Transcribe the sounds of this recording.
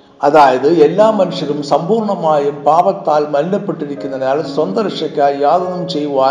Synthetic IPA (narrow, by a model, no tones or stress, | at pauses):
ɐðaːjɐðɯɛlːaːmɐnɯʂɐlɯmsɐmbuːɾɳɐmaːjɯmpaːʋɐt̪ːaːlmɐɾɪnɐpːɛʈːɪɾɪkʲːɯnd̪ɐnaːlsʋɐnd̪ɐɾɪʂɐkʲːaːljaːðɐnɯmsɛjʋɯʋaː